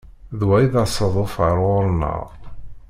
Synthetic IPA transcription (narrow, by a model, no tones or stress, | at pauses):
ðwæjðasˤəðˤʊfəɾˤʊɾˤnə̰ʁ